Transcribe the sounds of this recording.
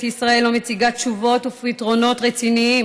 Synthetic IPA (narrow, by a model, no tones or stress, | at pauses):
tisʁae̞lːomet͡siɡatʃuvo̞tufitʁo̞no̞tʁet͡siniim